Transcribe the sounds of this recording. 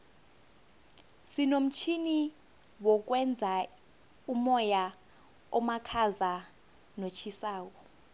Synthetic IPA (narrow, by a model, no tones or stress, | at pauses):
sinom̩t͡ʃʰini | wɔk̬wɛnd͡zʱa | umɔja | ɔmakʰaza | not͡ʃʰisaːwɔ